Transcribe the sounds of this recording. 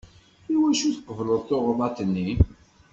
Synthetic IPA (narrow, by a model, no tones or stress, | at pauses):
iwæʃuθə̥qːəvləðˤθoʁðˤɑt̪ənːi